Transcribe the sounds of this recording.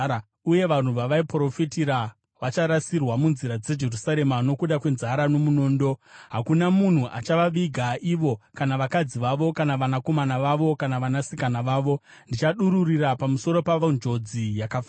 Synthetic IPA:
a | uje̞ʋan̤uʋaʋaipro̞fitiɾa | ʋat͡ʃaɾasirwamunziɾad͡ze̞d͡ʒe̞rusaɾe̞mano̞kuɗakwe̞nzaɾano̞muno̞ːndo̞ɦakunamun̤uʔa̰t͡ʃaʋaʋiɡʱaʔiʋo̞kanaʋakad͡ziʋaʋo̞kanaʋanako̞manaʋaʋo̞kanaʋanasikanaʋaːʋo̞ | ndit͡ʃaɗuɾurirapamuso̞ɾo̞paʋond͡ʒo̞d͡zijakaf

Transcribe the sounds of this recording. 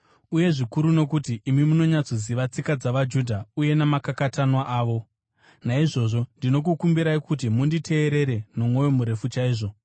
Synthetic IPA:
uje̞ʐikuɾuno̞kutiʔːmimuno̞ɲat͡soziʋat͡sikad͡zaʋad͡ʒudʱauje̞namakakatanwaʔaːʋo̞ | naiʐo̞ʐo̞ndino̞k̬ukumbiɾaikut̬imunditʰe̞ːɾe̞ɾe̞no̞mwo̞jo̞muɾe̞fut͡ʃaiːʐo̞

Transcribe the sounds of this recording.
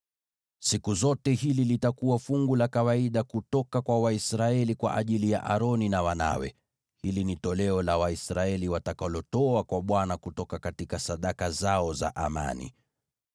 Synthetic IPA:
sikuzɔtɛhililitakuwafuŋɡulakawaiɗakutɔkakwawaisɾaɛlikwa̰ʔaʄilija̰ʔa̰ɾɔninawana̰wɛ̰ | hilinitɔlɛɔlawaisɾaɛliwatakalɔtɔakwaɓwanakutɔkakatikasaɗakazaɔza̰ʔama̰nḭ

